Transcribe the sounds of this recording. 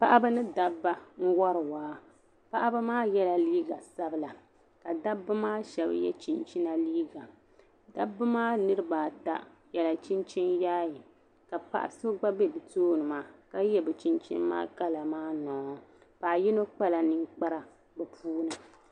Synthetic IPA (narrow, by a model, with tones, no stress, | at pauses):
pa˦ʔa˦bɨ˦nɨ˦da˦bːa˦ŋ̩˦wɔ˦ɾɨ˨waː˦ | pa˦ʔa˦ba˦maː˦jɛ˦la˨liː˦ɡa˨sa˦bɨ˦la˨ | ka˨da˦bːɨ˦maː˦ʃɛ˨b̰jɛ̰˦t͡ʃi˨nt͡ʃi˦na˦liː˦ɡa˨ | da˦bːɨ˦maː˦nɨ˦ɾɨ˦baː˨ta̰˦jɛ˨la˨t͡ʃi˦nt͡ʃi˦njaː˦ji˨ | ka˨pa̰˦ʔa̰˦so˦ɡ͡ba˦bɛ˦bɨ˨toː˦nɨ˨maː˨ka˦jɛ˦bɛ˨t͡ʃi˦nt͡ʃḭ˦nːa̰ː˦ka˦la˨maː˦nɔː˨˦ | pa˨ʔji˦no˦k͡pa˦la˨nɨ˦ŋk͡pa˦ɾa˨ | bɛ˨pʰuː˦nɨ˨